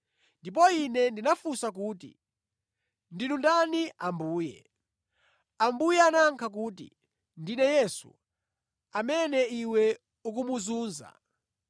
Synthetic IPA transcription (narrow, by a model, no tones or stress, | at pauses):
ndip̬ɔinɛndinafusakuːtḭ | ndinundaniʔambuːjɛ̰ | ambujɛanaŋkʰak̬uːtḭ | ndinɛjɛsṵ | amɛnɛiwɛ | uk̬umuzuːnza̰